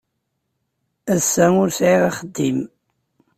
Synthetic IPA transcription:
æsːæŋʊɾsʕiʁaχəd̪ːim

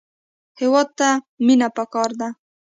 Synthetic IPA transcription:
hewɑd̪̚t̪a | minapəkɑɾd̪a

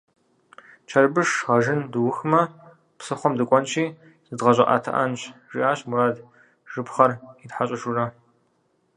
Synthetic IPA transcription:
t͡ʃʰɐrbɨʂʁɐʒɪndɨwʊxɨmɐ | psɨχʷɔmdɨkʷʼɔnt͡ʃʰʼiː | z̥ɨdʁɐʑʼɐʔa̰ːtʰɐ̰ʔɐnɕʒiʔaːɕmuɾaːd | ʒ̥ɨpχɐritħaɕʼɐʒurɐ

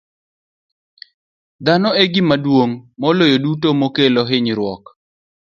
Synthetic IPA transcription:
d̪anɔeɡɪmadwoŋmɔlojodutomokelɔɦɪɲɾwɔk

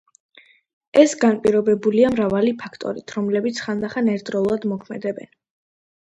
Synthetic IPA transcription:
ɛsɡanpʼiɾɔbɛbuliamɾavalipʰakʰt̪ʼɔ̰ɾit̪ʰɾɔmlɛbit̪sʰχand̪aχanɛɾt̪ʼɾɔlˠad̪mɔkʰmɛd̪ɛbɛ̰n

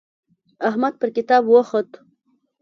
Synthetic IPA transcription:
aɦmad̪̚pəɾkɪt̪ɑːbwoxət̪

